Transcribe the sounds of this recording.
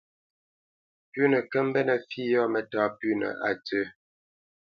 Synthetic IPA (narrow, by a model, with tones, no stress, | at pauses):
pʉ˦nə˨kə˦m̩˦bɛ˦nə˨fi˦jɔ˦mɛ˨taː˦pʉ˦nə̰˨ʔa̰˨tə˦